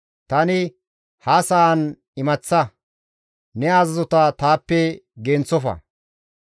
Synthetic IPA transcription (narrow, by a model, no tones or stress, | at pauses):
t̪ɐnɪ | hɐsɐɐn | ɪmɐt͡sːɐ | nɛaːzɐzɔt̪ɐt̪aːpːɛɡɛnt͡sːɔfɐ̰